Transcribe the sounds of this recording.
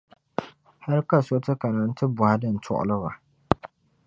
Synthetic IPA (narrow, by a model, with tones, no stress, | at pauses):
ha˦ɾka˨so˦tɨ˦ka˨na˨n̩˦tɨ˦bʊ˨ha˦dɨ˦˨n̩˨tʰʊ̰˦ʔʊ̰˨lɨ˦ba˨